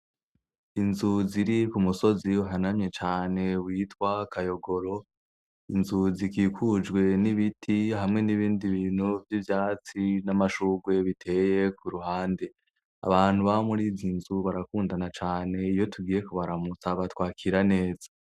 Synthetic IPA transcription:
inzuziɾikumuso̞ziuɦanamɲe̞t͡ʃaːne̞wiːtwakajo̞ɡo̞ɾo̞ | inzuzikiːkʰud͡ʒɡwe̞niβitʰihamŋe̞niβiːndiβiːn̥huvjivjaːt͡sinamaʃuɡwe̞βitʰe̞je̞kuɾuɦaːnde̞ | a̰βaːn̥huβaomuɾizinzuβaɾakuːndanat͡ʃaːne̞ijo̞tʰuɡiːje̞kuβaɾamut͡saβatwaːkʰiɾane̞ːz̥ḁ

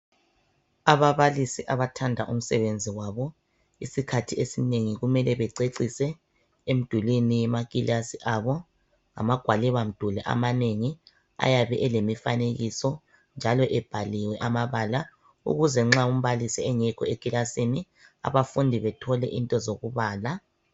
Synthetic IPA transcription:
aβaβalisiʔaβatʰandʱaʔum̩sɛβend͡zʱiwaβɔ | isikʰatʰiesineŋiɣumɛlɛβɛǀeǀisɛ | em̩d̥ʱulinijɛmakʼilasiʔaβɔ | ŋa̰maɡ̥ʱwalɛβam̩d̥ʱulɛʔa̰maneŋi | a̰jaβɛʔɛlemifa̰neɣisɔ | nd͡ʒʱalɔʔɛb̥ʱaliwɛʔamaβaːla | ṵɣuzɛŋ͡ǁaum̩βalisiɛŋɛkʰɔekʼilasini | a̰βafundʱiβɛtʰɔlɛʔintʼɔzoɣuβaːla

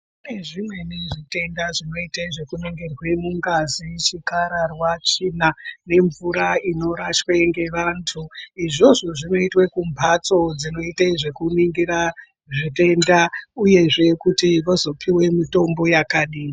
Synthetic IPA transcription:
uneʐimwe̞neʐite̞ndaʐino̞itaiʐe̞kuneŋɡerwe̞muŋɡazit͡ʃikaɾarwat͡ʃinane̞ɱvuɾaino̞ɾat͡ʃweŋɡe̞ʋantʰuiʐo̞ʐo̞ʐino̞itwekumbʱat͡so̞d͡zino̞itaiʐe̞kuniŋɡiɾa | ʐite̞ndauje̞ʐe̞kutiʋozo̞pʰiwe̞mito̞mbo̞jakaɗiːna

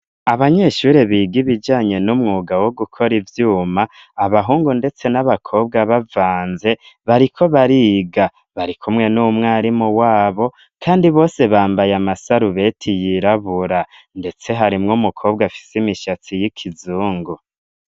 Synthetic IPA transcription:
aβaɲe̞ʃuːɾe̞βiːɡiβid͡ʒaːɲe̞numŋuːɡawo̞ɡukʰo̞ɾivjuːmaː | βaɦuːŋɡunde̞t͡se̞naβakʰo̞ːb̚ɡaβavaːnze̞ | βaɾikʰo̞βaɾiɡa | βaɾikʰumŋe̞numŋaːɾimuwaːβo̞ | kʰaːndiβo̞ːse̞βaːmbajamasaɾuβe̞ːtʰijiɾaβuɾa | nde̞t͡se̞ɦaɾimŋumukʰo̞ːbɡafi̥simiʃat͡sijikʰizuːŋɡu

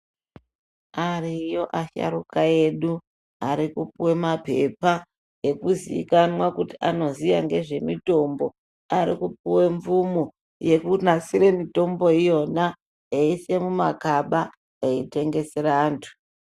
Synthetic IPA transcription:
arijo̞ʔaʃa̰ɾukae̞ɗu | aɾikupuwe̞mape̞pa | jekuziḭkanwakutiʔano̞zijaŋɡe̞ʐe̞mito̞mbo̞ | aɾikup̚uwe̞ɱvumu | je̞kunasiɾe̞mito̞mbo̞ijo̞na | eise̞mumakaɓa | eite̞ŋɡe̞seɾaːntʰu̥

